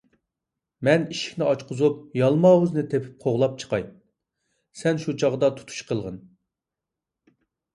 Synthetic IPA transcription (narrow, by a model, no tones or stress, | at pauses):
mɛniʃi̥kʲnɪɑt͡ʃqʊzup̚jɑlˠmɑːwuznɨt̪ʰepʰy̥p̚qʰoʁlˠɑp̚t͡ʃʰə̥qʰɑ̰j̪̚ | sɛnʃut͡ʃʰɑʁd̪ɑt̪ʰu̥t̪ʰu̥ʃqʰəlˠʁən